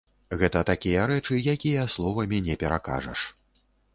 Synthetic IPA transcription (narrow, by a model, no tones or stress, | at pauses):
ɣɛt̪ɐt̪akʲijɐɾɛt͡ʂɨjakʲijɐslˠɔvɐmʲinʲɛpʲɛɾa̰ka̰ʐɐ̰ʂ